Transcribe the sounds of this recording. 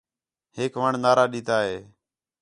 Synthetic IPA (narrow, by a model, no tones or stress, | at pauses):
heːkʋəːɳnaːɾaːɗiːt̪aːɦeː